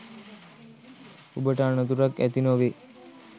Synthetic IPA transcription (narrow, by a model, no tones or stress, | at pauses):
ubəʈəːɳət̪uɾakæ̰t̪inoʋe